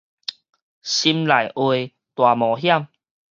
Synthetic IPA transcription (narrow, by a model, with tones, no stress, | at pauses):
ɕi˧˦mla˨˩jʔwe˧ | t̪wa˨˩mɔ˨˩ɦja˥˨m